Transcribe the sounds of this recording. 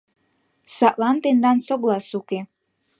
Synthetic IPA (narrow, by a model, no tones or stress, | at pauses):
sɑʔlɑnt̪end̪ɑnsoɣlɑsuke